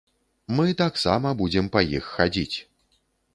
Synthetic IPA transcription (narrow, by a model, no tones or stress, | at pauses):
mɨt̪aksamɐbud͡zʲɛmpɐjixːad͡zʲit͡sʲ